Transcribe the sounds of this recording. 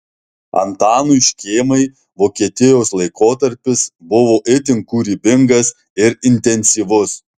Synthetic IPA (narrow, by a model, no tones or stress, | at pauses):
ɐ̰nt̪ɑːnuːʃʲkʲeːmɐɪ | ʋoːkʲiɛt̪ʲɪjoːslˠɐɪkoːt̪ɐɾʲpʲɪsbʊʋoːʔɪt̪ʲɪŋkuːɾʲiːbʲɪŋɡɐs | ɪɾɪnʲt̪ʲɛnʲsʲiʋʊs